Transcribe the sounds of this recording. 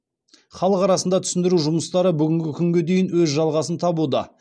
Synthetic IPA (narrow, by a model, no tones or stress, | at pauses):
χɑlˠəqɑɾɑsənd̪ɑt̪ʰʏ̥sɪnd̪ɪɾuʒʊməst̪ɑɾəbʏɡʲɪŋɡʲɪkʲʰʏŋɡʲe̞d̪e̞jɪnwɵzʒɑlˠʁɑsənt̪ʰɑbud̪ə̰